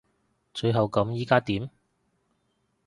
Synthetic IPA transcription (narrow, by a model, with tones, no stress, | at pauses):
t͡ʃɵ˧ɥɦɐ˨wkɐ˨˥mjiː˥kaː˥t̪iː˨˥m